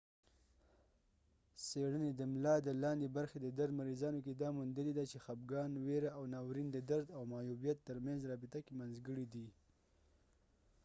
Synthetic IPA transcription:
seɽəned̪əmlɑd̪əlɑnd̪ebaɾxed̪əd̪aɾd̪maɾizɑnok̬ed̪ɑmund̪əled̪at͡ʃexab̚ɡɑnweɾaawnɑwɾind̪əd̪aɾd̪awmɑjubjat̪ːəɾmanzɾɑbɪt̪akemanzɡəɽid̪i

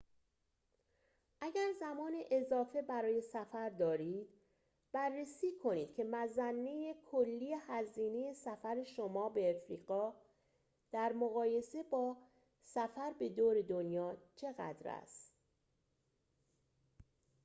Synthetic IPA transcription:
ʔæɟæɾzæmɒːneʔezɒːfe̞bæɾɒːje̞sæfæɾd̪ɒːɾiːd̪̥ | b̥ærːesiːkʰo̞niːd̪̚cʰe̞mæzænːe̞jekʰolːiːjehæziːne̞je̞sæfæɾe̞ʃomɒːbe̞ːfɾḭːɢɒː | d̪̥æɾmoɣɒːje̞se̞bɒː | sæfæɾbe̞d̪oːɾe̞d̪onjɒːt͡ʃʰe̞ɣæ̰d̪ɾæ̰st̪

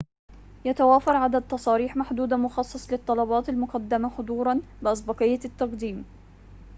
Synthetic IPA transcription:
jat̪awaːfɑɾˤʕad̪ad̪̚t̪ːɑsˤɑːɾiːħmaħd̪uːd̪amʊxɑsˤːɑsˤlɪt̪ˤːɑlɑbɑːt̪almʊqɑd̪ːɪmaxʊd̪ˤuːɾˤɑnbɪʔɑs̬ˤbɑqɪjːat̪ːɑqd̪iːm

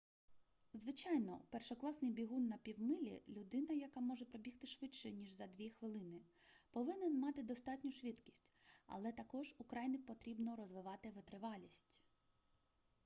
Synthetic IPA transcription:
zʋɪt͡ʃɑjnɔ̰pɛrʃɔklˠɑsnɪjbʲiɦunːɐpʲiwmɪlʲḭlʲʊd̪ɪnɐjɐkɑmɔʒɛpɾɔbʲixt̪ɪʃʋɪt͡ʃʃɛnʲiʒzɐd̪ʲʋʲixʋɪlˠɪnɪ | pɔʋɪnenmɑt̪ɪd̪ɔst̪ɑtʲnʲʊʃʋʲid̪kʲi̥sʲtʲɐ̰lˠɛt̪ɐkɔʒukɾɑjnɪpɔt̪ɾʲibnɔɾɔzʋɪʋɑt̪ɪʋet̪ɾɪʋɑlʲisʲtʲ

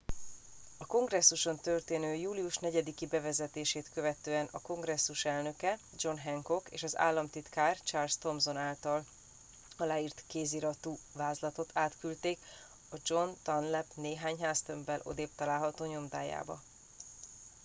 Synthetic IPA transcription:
ɒko̞ŋɡrɛsːuʃo̞nt̪ø̞rt̪eːnøːjuːlijuʃnɛɟɛd̪ikibɛvɛzɛt̪eːʃeːt̪kø̞vɛt̪øːɛnɒko̞ŋɡrɛsːuʃɛlnø̞kɛ | d͡ʒo̞nɦɛŋko̞kḛːʃɒza̰ːlːɒmt̪it̪kaːrt͡ʃarlst̪o̞mzo̞naːlt̪ɒl | ɒlaːiːrt̪keːziɾɒt̪uːvaːzlɒt̪o̞t̪ʰaːt̪kylt̪eːk | ɒd͡ʒo̞nt̪ɒnlɛpneːɦaːɲɦaːst̪ø̞mbɛlʔo̞̰d̪eːpt̪ɒlaːlɦɒt̪oːɲo̞md̪aːja̰ːbɒ̰

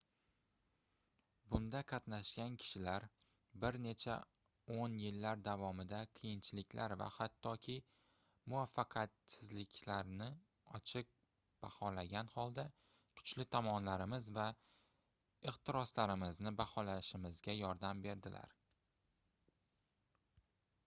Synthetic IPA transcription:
bʊnd̪aqʰɑt̪naʃkʲankʲʰɪ̥ʃɪlaɾ | bɪɾne̞t͡ʃʰa̰ | onjɪlːaɾd̪avɒmɪd̪aqʰɨjɪnt͡ʃʰɪlɪkʲlʔaɾva̰hat̪ʰːɒkʲʰɪ | mʊafːɑqʰɑt̪sɪzlɪkʲlaɾnɪ | ɒt͡ʃʰɪq̚ | b̥ahɒlaɡʲanhɒlˠd̪a | kʰʊ̥t͡ʃlɪt̪ʰɒmɒnlaɾɪmɪzva | ɪqt̪ɪɾɒslaɾɪmɪznɪbahɒlaʃɪmɪzɡʲajɒɾd̪ambe̞ɾd̪ɪlʔa̰ɾ

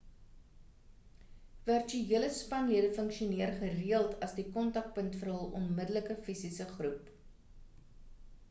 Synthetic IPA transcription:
vœrt͡ʃyiələspɐnliədəfəŋkʃiuniərχəriəlˠtʰɐsdikɔntɐk̚pəntfəɾɦəlˠʔɔnmədələkəfisisəχrup

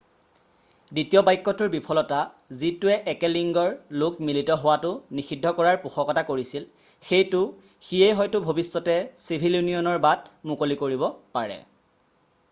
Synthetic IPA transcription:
ditijɔbajkːɔtʊɹbipʰɔlɔtazitʊɛʔɛkɛliŋɡɔɹlʊk̚militɔɦʊwatʊnixidʱːɔkɔɹaɹpuxɔkɔtakoɹisil | xejtʊ | xijejɦɔjtʊbʱobisːɔtɛsibʱiljuniɔnɔɹbat̚mʊkolikoɹibɔpaɹɛ̰

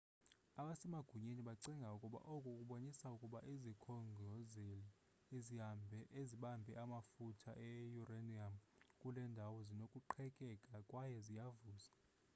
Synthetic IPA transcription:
aɓasɛmaɡ̥ʱuɲeniɓaǀiŋɡʱaukʼuɓa̰ʔokʼukʼuɓonisaukʼuɓaʔizikʰɔŋɡʱɔzeli | eziambʱɛeziɓambʱɛʔamafutʰa̰ʔɛjuraniamkʼulɛndʱawɔzinokʼuǃʰɛkʼɛkʼakʼwajɛzijavuːza

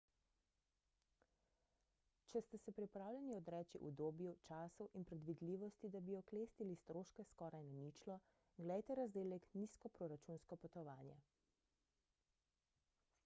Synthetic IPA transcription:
t͡ʃɛst̪ɛsɛpɾipɾaːwlʲjɛniɔd̪ɾɛːt͡ʃiʔṵd̪oːbjut͡ʃaːsɔwʔinpɾɛd̪ʋid̪liːʋɔst̪id̪abiɔkleːst̪ilist̪ɾoːʃkɛskɔːɾajnɛnit͡ʃlɔ | ɡlɛjt̪ɛɾazd̪eːlɛkniskɔpɾɔɾat͡ʃunskɔpɔt̪ɔʋaːnjɛ̰

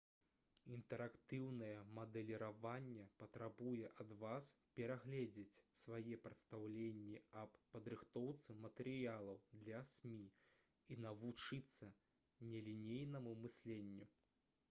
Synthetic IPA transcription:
int̪ɛɾakt̪ɨwnɐjɛmɐd̪ɛlʲiɾavanʲːɛpɐt̪ɾabujɛʔɐd̪vaspʲɛɾaɣlʲed͡zʲet͡sʲsvajɛpɾɐt̪st̪awlʲenʲːiɐpːɐd̪ɾɨxt̪ɔwt̪sɨmɐt̪ɛɾɨjalˠɐwd̪lʲɐsʲmʲi | inɐvut͡ʂɨt̪sːɐ | nʲɛlʲinʲejnɐmumɨsʲlʲenʲːu

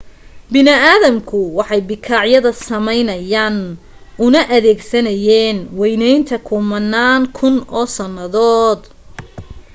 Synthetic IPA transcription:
bɪnɪaːðɐmkʰʊwɑħɑjbɪkʰaːʕjɐðɐsɐmɛjnɐjaːn | ʊnɐʔɐðɛːɡsɐnɐjɛːnwɛjnɛjnt̪ʰɐkʰʊmɐnːaːŋkʰʊnɔːsɐnːɐðɔːd̪

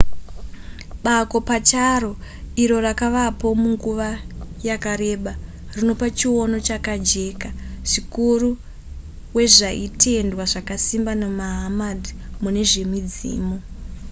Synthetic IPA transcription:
ɓako̞pat͡ʃaro̞iɾo̞rakaʋapo̞muŋɡuʋajakaɾe̞ɓa | rino̞pat͡ʃiwo̞no̞t͡ʃakad͡ʒe̞ːkaʐ̥ikuru | we̞ʐaitʰe̞ndwaʐakasimbanamaɦamadʱi | mune̞ʐe̞mid͡zḭːmo

